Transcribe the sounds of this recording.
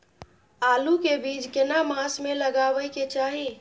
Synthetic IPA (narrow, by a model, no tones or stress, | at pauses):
alukebid͡ʒkenamasmeləɡabəjket͡ʃaɦi